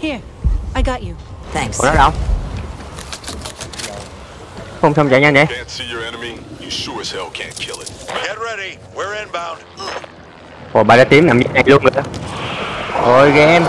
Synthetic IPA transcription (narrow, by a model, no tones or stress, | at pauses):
hiɹ | aɪɡɑt͡ʃɨθæ̃ŋksnɔɗawŋ͡m | xəwŋ͡msaŋ͡mt͡ɕa̰ːɲanɛkʰæ̃ntsijə˞ɛnəmijɨsuɨshɛlˠkʰæ̰̃nkʰɪlˠɪt̚ɡ̥ɛt̚ɹɛɾi | wəɹɨ̃nbãʊ̃nd̥ | ʔoɓa̰ːkaːt̪imnamɲənajluənŋɨ | ʔojɣɛʔɛm